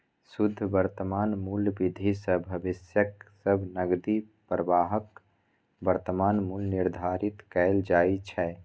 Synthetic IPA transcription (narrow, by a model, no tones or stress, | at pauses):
sud̪ʱːbəɾt̪əmaːnmuːlbid̪ʱisəbʱəbisjəksəbʱnəɡd̪i | pɾəʋaːɦək | bəɾt̪əmaːnmulnɪɾd̪ʱaɾit̪kɛld͡ʒaːit͡ʃʰɛ